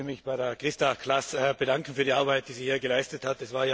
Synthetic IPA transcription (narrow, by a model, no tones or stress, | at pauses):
mɪçb̥aɪɾeɐkʁɪstakʰlasb̥ədaŋkn̩fyːɐdiʔaɐbaɪt̚d̥iːziːhiːɐɡəlaɪstəthatɛsvaːɐja